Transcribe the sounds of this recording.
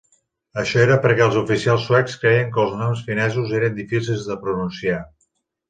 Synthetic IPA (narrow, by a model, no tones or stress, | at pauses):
əʃɔeɾəpəɾkɛəlˠzufisialˠsːuwɛkskɾɛjəŋkəlˠznɔmsfinɛzuzeɾənd̪ifisilˠzðəpɾununsia